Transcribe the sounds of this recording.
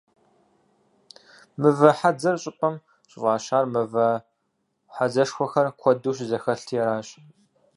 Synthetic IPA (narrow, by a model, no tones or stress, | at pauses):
mɨvɐħad͡zɐrɕʼɪpʼɐm | ɕʼɪvɑːɕaːrmɨvɐ | ħazɐʂxʷɔxɐrkʷʰɔduːɕ̬zɐxɐɬtʰjɛɾaːɕʼ